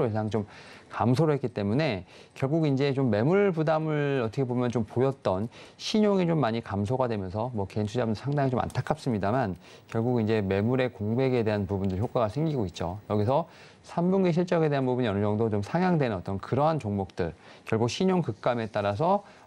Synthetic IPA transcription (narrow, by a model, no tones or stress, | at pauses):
oesʰaŋt͡ɕomkamsʰoɾoɦe̞t̚k͈it͈e̞mune̞ | kjʌɭɡuɡind͡ʑe̞t͡ɕomːe̞muɭbudamɯɭʌtʰʌkʰebomjʌnt͡ɕompojʌt̚t͈ʌnɕʰiɲoŋit͡ɕomːaɲikams̬ʰoɡadwe̞mjʌnsʰʌmwʌkent͡ɕʰud͡ʑabɯndɯsʰaŋdaŋit͡ɕoma̰ntʰakʰap̚s͈ɯmɲidaman | kjʌɭɡuɡind͡ʑe̞me̞muɾe̞koŋbe̞ɡe̞de̞ɦanpubundɯɭçjok͈aɡasʰeŋɡiɡoit̚t͡ɕ͈o̰jʌɡis̬ʰʌ | sʰambuŋɡeɕ̬ʰiɭt͡ɕ͈ʌɡe̞de̞ɦanpubuɲijʌnɯd͡ʑʌŋdot͡ɕomsʰaŋjaŋdwe̞nnʌt͈ʌnkɯɾʌɦant͡ɕoŋmok̚t͈ɯɭ | kjʌɭɡuk̚ɕʰiɲoŋkɯk̚k͈ame̞t͈aɾas̬ʰʌ